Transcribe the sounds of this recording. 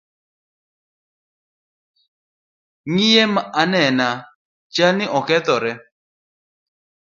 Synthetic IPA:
ŋijemaʔanɛna | t͡ʃanɪʔɔkɛt̪ɔɾɛ

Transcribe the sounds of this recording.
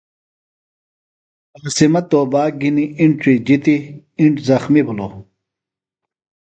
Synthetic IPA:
ɐɣsimɐt̪oːbaːɡiniiɳt͡ɕid͡ʑit̪i | iɳʈzɐxmibulo

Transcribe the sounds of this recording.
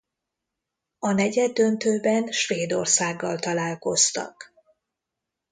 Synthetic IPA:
ɒnɛɟɛd̪ːønt̪øːbɛnʃveːd̪o̞̰rsaːɡːɒlt̪ɒlaːlko̞st̪ɒ̰k

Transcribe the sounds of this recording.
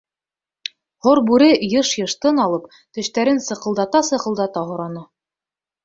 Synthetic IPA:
hoɾbʉɾɘjɤʃjɤ̆ʃt̪ɤnɑlˠɤp | t̪ɵ̆ʃt̪æɾɘnsɤ̆qɤ̆lˠd̪ɑt̪ɑsɤ̆qɤ̆lˠd̪ɑt̪ɑɦŏɾɑnɤ

